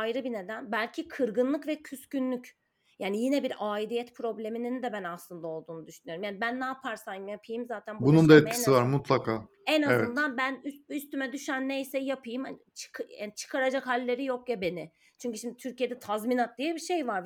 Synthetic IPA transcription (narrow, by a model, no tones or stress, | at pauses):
ajɾɯbined̪ænbælʲcʰikʰɯɾɡɯnlˠɯkvɛcʰyscynlʲyc | jaːnijinɛbiɾaːilijɛt̪pʰɾo̞blʲe̞minind̪ɛbænaslˠɯnd̪ao̞lˠd̪uːnud̪yʃynyjo̞ɾumjaːnibænːaːpʰaɾsajmjapʰɯjɯmzaːt̪ʰænbbunund̪aɛt̪cʰisivaɾmut̪lˠakʰaː | ɛnazvɛnd̪anbænysyst̪ymɛd̪yʃænːejsɛjapʰɯjɯmha̰n | t͡ʃʰkʰja̰ːnit͡ʃʰɯ̥kʰaɾad͡ʒakhalʲːe̞ɾijokjabe̞nɪ | t͡ʃʰyɲcyʃimd̪it̪ʰyɾcije̞d̪ɛt̪ʰazminat̪̚d̪ijɛbiʃe̞jvaɾ